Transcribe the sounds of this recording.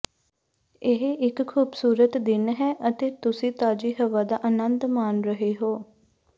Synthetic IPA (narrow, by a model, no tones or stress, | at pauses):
ɪɦɪkkʰːuːbsuːɾət̪d̪ɪnɦɛːʔət̪eːt̪ʊsĩːt̪aːd͡ʒiːɦəʋaːd̪aːʔənənd̪maːnɾəɦeːɦoː